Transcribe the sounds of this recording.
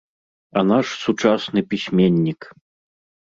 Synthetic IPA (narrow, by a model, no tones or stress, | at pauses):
ɐnaʂsut͡ʂasnɨpʲisʲmʲenʲːik